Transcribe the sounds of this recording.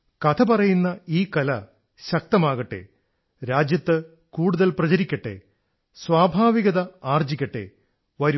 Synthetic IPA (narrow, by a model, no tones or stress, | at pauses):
kɐt̪ʰɐpɐrɐjunːɐiːkɐlɐ | ɕɐk̚t̪ɐmaːɣɐʈːe̞̰ | ɾaːd͡ʑjɐt̪ːɨ | kuːɽuðɐlprɐt͡ɕɐɾikʲːɐʈːe̞̰ | swaːbʱaːʋiɣɐðɐaːrd͡ʑikʲːɐʈːe̞̰ | ʋɐɾu